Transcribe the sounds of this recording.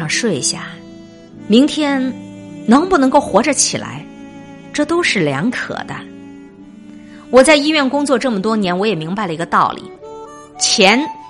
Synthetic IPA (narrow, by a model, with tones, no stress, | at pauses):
ɑ˥˧ŋʂwe˥˩ɪ˧ɕja̰˥˩ | mi˧˥ŋt̪ʰjɛ˥nnɤ˧˥ŋpu˥˩nɤ˧˥ŋko˥˩ʊxwɔ˧˥ʈ͡ʂə˥˧t͡ɕʰi˨˩la̰˧˥ɪ | ʈ͡ʂɤ˥˩t̪o˥ʊʂɻ̩˥˩ljɑ̰˧˥ŋkʰɤ̰˨˩d̪ə˦ | wɔ˨˩t͡sa˥˩ɪi˥ɥɛ˥˩nkʊ˥ŋt͡swɔ˥˧ʈ͡ʂɤ˥˩mə˩t̪wɔ˥njɛ˧˥nwɔ˧˥jɛ˨˩mi˧˥ŋpa˧ɪlə˩i˧˥ɡə˧t̪ɑ˥˩ʊlḭ˨˩˦ | t͡ɕʰjɛ˧˥n